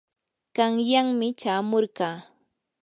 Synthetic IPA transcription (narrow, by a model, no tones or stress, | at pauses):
kɑŋjaŋmɪt͡ʃaːmoɾɢɑː